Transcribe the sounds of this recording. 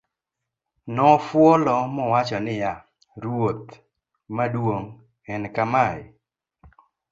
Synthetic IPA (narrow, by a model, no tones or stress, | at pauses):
nɔfwɔlɔmɔwat͡ʃɔnɪja | ɾwot̪ | madwoŋ | ɛnkamaj